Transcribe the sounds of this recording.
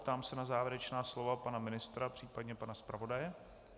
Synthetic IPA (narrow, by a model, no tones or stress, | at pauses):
pt̪aːmsɛnazaːvjɪɾɛt͡ʃnaːslo̞vapanamɪnɪst̪ɾapr̥iːpadɲɛpanaspɾavo̞dajɛ